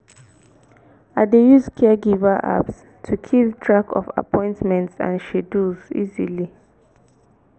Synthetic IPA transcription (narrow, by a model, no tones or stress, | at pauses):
adejuzkʰɛɡivaʔa̰ps | tʰukʰiltʰɹakʰɔ̰fa̰pʰɔ̃ɪ̃ntmɛ̃ntsã̰nʃeduzḭzili